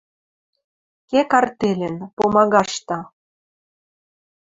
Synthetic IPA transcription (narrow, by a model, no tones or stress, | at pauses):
kekɑrt̪elʲĕnpomɑɣɑʃt̪ɑ